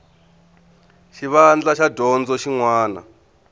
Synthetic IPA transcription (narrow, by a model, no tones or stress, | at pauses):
ʃiβand͡ɮaʃadʱɔnd͡zɔʃiŋwaːna̰